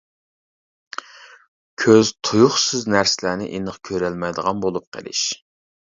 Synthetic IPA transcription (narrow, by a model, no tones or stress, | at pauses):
kʲʰøzt̪ʰujuχsɨznæɾsɪlæːnɪ̰ʔenəχkʲʰøɾɛlmɛjd̪əʁɑnbolˠup̚qʰə̰lˠɪ̰ʃ